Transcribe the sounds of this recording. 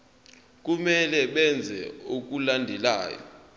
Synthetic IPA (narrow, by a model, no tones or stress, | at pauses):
k̬umɛlɛɓɛnd͡zʱɛ̰ok̬ulandʱɛla̰ːjɔ̰